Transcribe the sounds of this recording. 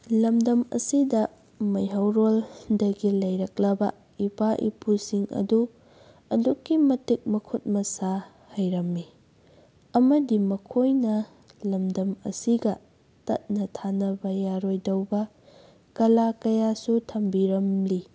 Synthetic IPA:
lɐmdɐmɐ̰sidɐ | mɐjɦɐwɾoldɐɡilɐjɾɐk̚lɐbɐ | ipʰaʔḭpʰusiŋɐ̰du | ɐ̰dukːimɐtik̚mɐkʰut̚mɐsa | hɐjɾɐmːi | ɐmɐdimɐkʰojnɐ | lɐmdɐmɐ̰siɡɐ | tɐ̰t̚nɐtʰanɐbɐjaɾojdɐwbɐ | kɐlakɐjasutʰɐmbiɾɐmli

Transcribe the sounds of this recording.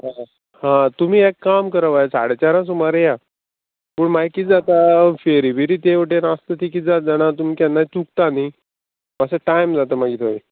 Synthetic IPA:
ɦa | hãt̪umiːekːamkəɾəʋajsa̰ɽet͡ɕaɾãsumaɾeja | pəːɳmaikit̪d͡zat̪afeɾibiɾit̪eʋəʈeɾãst̪ət̪ikit̪d͡zat̪̚d͡zaɽ̃at̪um̤ikjanːat͡suk̚t̪ani | məseʈajmd͡zat̪əmaɡʱiːt̪ʰoi

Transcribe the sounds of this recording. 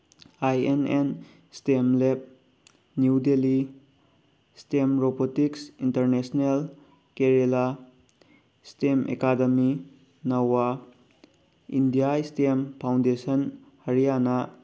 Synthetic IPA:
ajenen | stemlep̚ | njudeli | stemɾobotiksintɐɾnesnel | keɾela | stemḛkademi | nɐwa | indijaistempʰawndesɐn | hɐɾijanɐ

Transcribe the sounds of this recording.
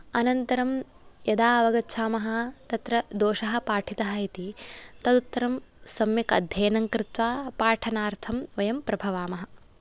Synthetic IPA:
ɐnɐnt̪ɐɾɐm | jɐd̪aːɐʋɐɡɐtːʃʰaːmɐɦɐ̆t̪ɐt̪ɾɐd̪oːʃɐɦɐ̆paːʈʰit̪ɐɦɐɦit̪it̪ɐd̪ut̪ːɐɾɐmsɐmjɐkɐ̰d̪ʱjɐːnɐŋkɾɪt̪ʋaːpaːʈʰɐnaːɾt̪ʰɐmʋɐjɐmpɾɐbʱɐʋaːmɐɦɐ

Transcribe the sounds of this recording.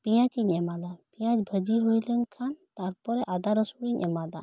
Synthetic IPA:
pijãt͡ʃiɲɛmad̪apijãt͡ʃbʱəd͡ʒiɦojlənkʰant̪aɾpɔɾɛʔad̪aɾɔsuɽiɲɛmad̪a̰

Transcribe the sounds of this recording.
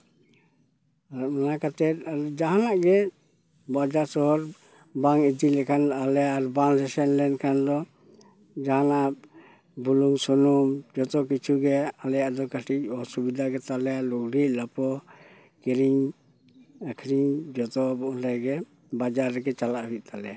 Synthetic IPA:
manakat̪ɛt̪aɾɔd͡ʒaɦanaʔɡɛ | bad͡ʒasɔɦɔɾ | baŋid͡ʒilɛkʰanalɛjaʔɾbaŋɾɛsɛnlɛnkʰand̪ɔ | d͡ʒaɦana | bʱuluŋsɔnɔmd͡ʒɔt̪ɔkit͡ʃʰuɡɛalɛjaʔd̪ɔkaʈic̚ɔsubid̪ʱaɡɛt̪alɛjaʔlɔk̚ɽiʔlapɔ | kɛɾiɲ | akʰɾiɲd͡ʒɔt̪ɔbɔʔnɾajɡɛ | bad͡ʒaɾːɛkɛt͡ʃalaʔɦujc̚t̪alɛ̰ja

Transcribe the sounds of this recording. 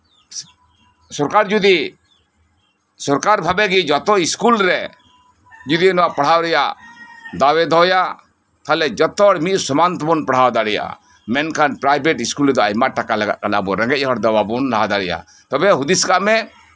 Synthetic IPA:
sɔɾkaɾd͡ʒud̪i | sɔɾkaɾbʱabɛɡid͡ʒɔt̪ɔiskulɾɛ | d͡ʒud̪inɔwaʔpaɽ̤awɾɛjaʔd̪awɛd̪ʱɔja | t̪ʰalɛd͡ʒɔt̪ːɔɽmit̪̚sɔmant̪ɔbɔnpaɽ̤awd̪aɽɛja̰ʔa̰ | mɛnkanpɾajbʱɛʈiskulɾɛd̪ɔajmaʔʈakalɛɡa̰ʔkanabɔɾɛ̃ŋɡɛc̚ɦɔɽd̪ɔwabunɾaɦad̪aɽɛja̰ | t̪ɔbɛɦud̪iskaʔmɛ

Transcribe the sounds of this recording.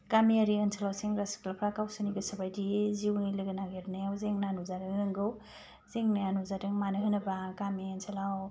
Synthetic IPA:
kamiaɾiənsʰalawseŋɾasklapʰɾakawsaniɡɯsɐbajdiziwnilɯɡɐnaɡeɾnajawzeŋnanuzaɾɯŋɯŋɡɯw | z̥eŋnajanuzadɯŋmanɯɦɯnɐbakamiənsʰelaw

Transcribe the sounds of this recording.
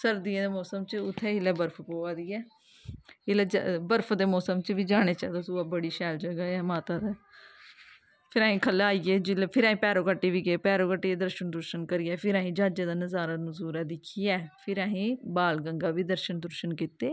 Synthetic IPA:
səɾd̪iːẽd̪eːmɔːsəmt͡ʃʊt̪ʰːɛːɪlɛːbəɾpʰpoːaːd̪iːɛː | ɪlɛːd͡ʒbəɾpʰd̪eːmɔːsəmt͡ʃʋiːd͡ʒaːɽ̃eːt͡ʃɛ̰ːd̪oːsuaːbəɽiːʃɛːld͡ʒəɡaːɛːmaːt̪aːd̪ɛː | pʰɪɾaːɦĩːkʰəlaːiːeːd͡ʒɪlːpʰɪɾaːɦĩːpɛːɾoːkəʈːeːʋiːɡeːpɛːɾoːkəʈːeːed̪əɾʃənd̪ʊɾʃənkəɾɪjɛːpʰɪɾaːɦĩːd͡ʒaːd͡ʒeːd̪aːnəzaːɾaːnʊzuːɾɛːd̪ɪkʰːɪjɛːpʰɪɾaːɦĩːbaːlɡəŋɡaːʋiːd̪əɾʃənd̪ʊɾʃənkiːt̪eː

